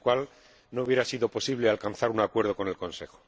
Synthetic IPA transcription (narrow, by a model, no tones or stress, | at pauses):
kwal | nouβje̞ɾasiðo̞po̞siβlealkanθaɾunakwe̞ɾð̞o̞ko̞ne̞lko̞nse̞xo̥